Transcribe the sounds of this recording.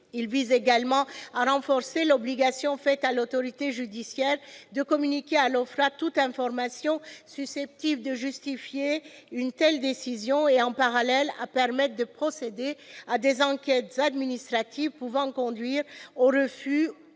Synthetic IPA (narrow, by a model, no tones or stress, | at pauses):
ilvizeɡalmɑ̃aʁɑ̃fɔʁselɔbliɡasjɔ̃fɛt̪alot̪ɔʁit̪eʒyd̪isjɛʁd̪əkɔmynikʲealɔfʁat̪ut̪ɛ̃fɔʁmasjɔ̃sysɛp̚t̪ibd̪əʒyst̪ifjeynt̪ɛld̪esizjɔ̃eɑ̃paʁalɛla̰pɛʁmɛt̪χd̪əpχɔsed̪ead̪ezɑ̃kʲɛt̪zad̪minist̪χat̪ivpuvɑ̃kɔ̃d̪ɥiʁoʁəfy